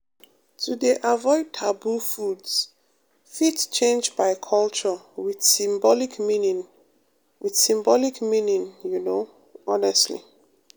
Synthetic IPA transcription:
tʰudeʔavɔɪd̚tʰabufuds | fitt͡ʃẽnd͡ʒbaɪkʰɔlt͡ʃə | wid̥sĩmbɔlikminĩ | wiθsĩmbɔlikmĩnĩnjuno | ɔnɛstlḭ

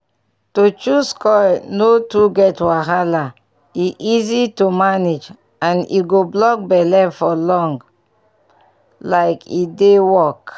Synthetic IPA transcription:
tut͡ʃuskɔjnotuɡɛtwaɦala | iʔizitumaned͡ʒ | ãnḭɡoblɔk̚bɛlɛfɔlɔ̃ŋɡ | laɪkidewɔk

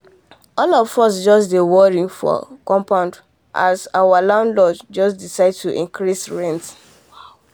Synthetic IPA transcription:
ɔlɔfɔsd͡ʒɔsdewɔɹĩŋfɔ̰kɔ̃mpãʊ̃nd | ʔa̰sawalãʊ̃ndlɔd͡ʒd͡ʒɔsdisaɪd̚tuʔḭ̃ŋkɹisɹɛ̃nt

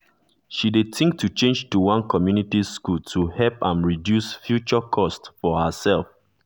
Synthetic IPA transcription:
ʃidetĩŋk̚tʰut͡ʃẽnd͡ʒtuwãnkʰɔmjunitiskultʰuhɛlpãnɹidjusfjut͡ʃɔkʰɔstfɔhəsɛlˠf

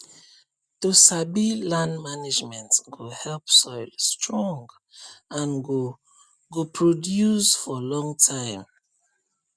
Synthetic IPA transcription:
tosabilãnmanid͡ʒmɛ̃ntɡohɛlpsɔɪlstʰɹɔ̃ŋɡ | ãnɡo | ɡopʰɹodjusfɔlɔ̃ŋtʰãɪ̃m

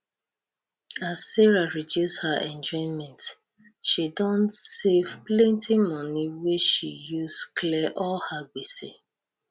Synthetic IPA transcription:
azːɛɹaɹidjushaʔɛ̃nd͡ʒɔ̃ɪ̃nmɛ̃nt | ʃidɔ̃ntsevplẽntʰɪ̃mɔniweʃijusklɛʔɔlhaɡ͡besḛ

